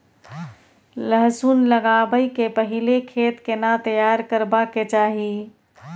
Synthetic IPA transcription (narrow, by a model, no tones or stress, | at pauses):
ləɦzuːnləɡabəikepəɦilekʰeːt̪kenat̪əjaːɾkəɾbaket͡ʃaːɦi